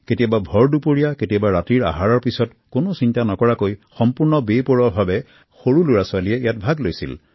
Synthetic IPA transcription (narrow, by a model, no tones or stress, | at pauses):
ketijababʱɔɹdupoɹijaketijabaɹatiɹa̰ɦaɹɔɹpisɔt | konosintanɔkɔɹakojxɔmpuɹnɔbepɔɹɔbʱabɛ | xoɹuluɹaswaliɛijatbʱaɡlojsḭl